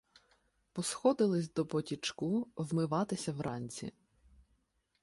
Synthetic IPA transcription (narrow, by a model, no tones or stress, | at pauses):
pɔsxɔd̪ɪlˠɪsʲd̪ɔpɔtʲit͡ʃkuwmɪʋɑt̪ɪsʲɐwɾʔɑnʲt͡sʲḭ